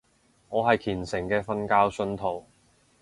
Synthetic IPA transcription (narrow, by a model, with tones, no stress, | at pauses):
ŋɔː˨˧ɦɐ˨jkʰiː˨˩nsɪ˨˩ŋkɛː˧fɐ˥nkaː˥wsɵ˥nt̪ʰo˨˩w